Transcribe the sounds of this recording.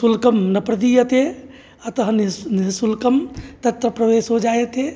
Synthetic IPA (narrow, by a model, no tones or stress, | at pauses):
sulkəmnəpɾd̪ijət̪e | ɐt̪əɦənnɦisulkəmt̪ɐt̪ɾəpɾəʋesɦod͡ʒajet̪e